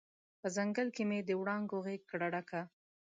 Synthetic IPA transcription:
pəzaŋɡəlkemed̪əwɽɑŋɡoɣeɡ̚kɽaɽaka

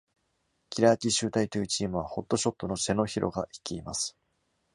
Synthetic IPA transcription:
kʲiɾaːt̪ʲiɕɨːt̪ait̪iːt͡ɕiːmɯ̟β̞aho̞t̪ːo̞ɕo̞t̪ːo̞no̞se̞no̞çiɾʔo̞̰ɡai̥kʲiːmasɨ̥

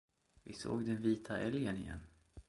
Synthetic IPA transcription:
vɪso̰ːɡd̪ɛnviːt̪ʰaʔɛljənɪ̰jɛ̰nː

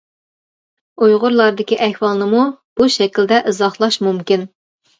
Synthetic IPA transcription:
ojʁʊɾlˠɑɾd̪ɪkʲiʔɛhwɑlˠnɨmub̥uʃɛkʲild̪ɛʔɨzɑχlˠɑʃmumkʲin

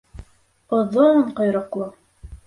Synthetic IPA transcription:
ŏðoɴqŏjɾɑqlˠɤ

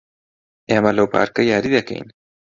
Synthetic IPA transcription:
ʔeːmɐlɐwpʰa̰ːɾkɐjaːɾiːd̪ɐkɐ̰jn

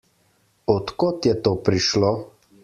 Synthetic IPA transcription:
ɔt̪kot̪jɛt̪oːpɾiʃloː

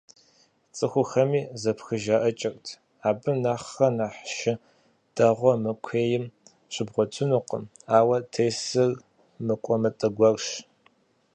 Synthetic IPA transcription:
t͡sʼɨxʷʊxɐmiːzɐpxɨʒaʔɐt͡ʃʼɐrʼtʰ | aːbɨnaːχːɐnaːħʃɪ | d̥ɐʁʷɔmɨkʷʰeːjɪm | ɕɪbʁʷɔt͡ʃʷʰɨnuːqə̰m | aːwɐtʰejsɨr | mɨkʷʼɔmɨtʼɐɡʷɐrʃ

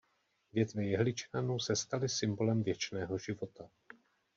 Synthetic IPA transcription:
vjɛt̪vɛjɛɦlɪt͡ʃnanowsɛst̪alɪsɪmbo̞lɛmvjɛt͡ʃnɛːɦo̞ʒɪvo̞t̪a

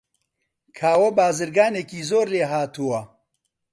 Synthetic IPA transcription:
kʰaːwɐbaːzɨɾɡaːneːkiːzoːɾleːɦaːt̪uwɐ

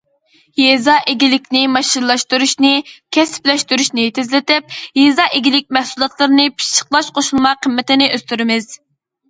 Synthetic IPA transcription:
jezɑʔeɡʲilɪkʲnɪmɑʃiɾlˠɑʃt̪uɾuʃnɪkʲʰɛsplɛʃt̪yɾuʃnɪt̪ʰɪzlɪt̪ɪp̚jezɑʔɪɡʲilɪk̚ʲmɛhsulˠɑt̪ʰlˠɨɾɨnɨpʰi̥ʃə̥qlˠɑʃqʰoʃulˠmɑqʰəmːɪt̪ɪnɪʔøst̪yɾɪmɪz̥

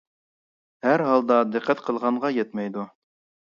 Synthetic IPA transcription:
hæɾɦɑlˠd̪ɑd̪ɘqʰːɛt̪qʰəlˠʁɑɴʁɑjɛt̪mɛjd̪u

